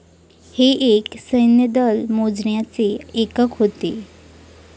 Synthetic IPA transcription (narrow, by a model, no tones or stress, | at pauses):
heʔeksəjnjəd̪əlmod͡zɳjat͡seekəkɦot̪e